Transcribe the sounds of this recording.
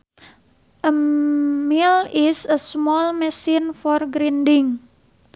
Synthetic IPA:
ʔə | milisəsmɔlmɛsinfɔrɡɾindɪŋ

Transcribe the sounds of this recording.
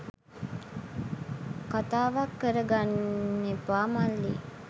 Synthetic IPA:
kat̪aːʋakːəɾəɡanːepaːmalːḭ

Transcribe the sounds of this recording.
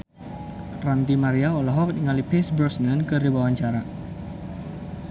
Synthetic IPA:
rant̪imaɾiaɔlɔɦɔk̚niŋalipɪsbɾɔsnankərdibawaɲt͡ʃaɾa

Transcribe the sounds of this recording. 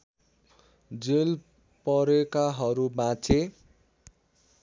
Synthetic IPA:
d͡zel | pʌɾekaɦʌɾubãt͡sʰe

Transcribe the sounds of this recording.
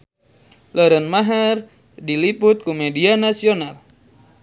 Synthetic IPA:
ləɾənmaɦər | diliput̪̚kumedianasional

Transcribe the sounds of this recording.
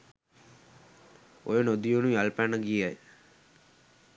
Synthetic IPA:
ojənod̪ijunuialpænəɡiaj

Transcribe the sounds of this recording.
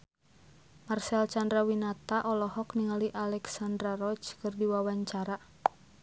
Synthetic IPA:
marsɛlt͡ʃandɾawinat̪aʔɔlɔɦɔkniŋaliʔalɛksandɾarɔt͡ʃkɨrdiwawaɲt͡ʃaɾa

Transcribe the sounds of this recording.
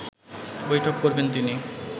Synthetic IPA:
bojʈʰokːoɾbent̪ini

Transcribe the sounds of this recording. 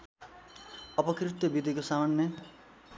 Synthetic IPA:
ʌpʌkrit̪jʌbid̪ʱikosamanːjʌ

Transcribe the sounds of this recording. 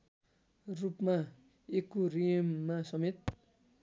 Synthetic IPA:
rupma | ekːorimːasʌmet̪̚

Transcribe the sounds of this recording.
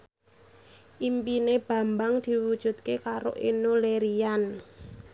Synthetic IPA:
ʔimpineb̥a̤mbaŋd̪̥i̤wud̥ʒ̥ṳt̪̚kekaɾo̰ʔenoleɾian

